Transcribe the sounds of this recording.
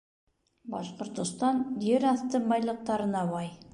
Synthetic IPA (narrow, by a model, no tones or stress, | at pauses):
bɑsqəɾt̪əst̪ɑnj̪e̞ɾɑst̪əbɑjlˠəq̚t̪ɑɾənɑwɑj